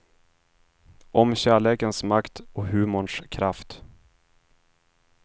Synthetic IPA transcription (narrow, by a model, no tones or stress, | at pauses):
ʔɔmɕæːɭeːkənsmakt̪ɔɦʉ̟ːmʊɳʂkʰɾaft̪